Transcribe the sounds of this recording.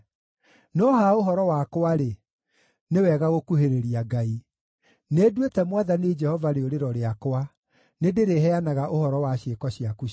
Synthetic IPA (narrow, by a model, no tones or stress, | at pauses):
nɔːɦaoɦɔɾɔwakwaɾe | newɛɣaɣokuɦeɾeɾiaɡai | nedwetɛmwaðaned͡ʒɛhɔvaɾeoɾeɾɔɾeakwa | nedeɾeɦɛanaɣaʔohɔɾɔwaɕekɔɕijaku